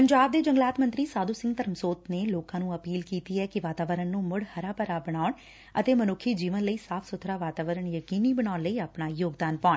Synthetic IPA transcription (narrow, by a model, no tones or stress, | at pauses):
pəɲd͡ʒaːb̚d̪eːd͡ʒəŋɡlaːt̪mə̃nt̪ɾiːsaːd̪uːsɪ̃ŋɡ̚t̪əɾmsoːt̪neːloːkãːnũːəpiːlkiːt̪iːɛːkɪʋaːt̪aːʋəɾənːũːmʊɽhəɾaːpəɾaːbəɽ̃aːʊɳ | ə̰t̪eːmənʊkʰːiːd͡ʒiːʋənləiːsaːpʰsʊt̪ʰːɾaːʋaːt̪aːʋəɾəɳjəkiːniːbəɳaːnləiːaːpɳaːjoːɡd̪aːnpaːɳ